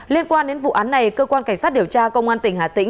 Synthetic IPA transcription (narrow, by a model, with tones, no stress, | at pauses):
li˧ənkwaː˧nɗe˨˦nvṵ˧˨ʔaː˨˦nːa˨˩jkəː˧kwaː˧nka˧˩jŋ̟saː˦˥t̚ɗi˨˩əwt͡ɕaː˧kə˧wŋ͡mʔaː˧nt̪ï˧˩ŋ̟haː˨˩t̪ï˧˥ŋ